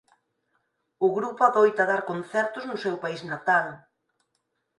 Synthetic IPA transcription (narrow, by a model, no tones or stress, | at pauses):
ʊɣɾupʊaðojt̪aðaɾkon̟θɛɾt̪ʊznʊsɛwpaiznat̪al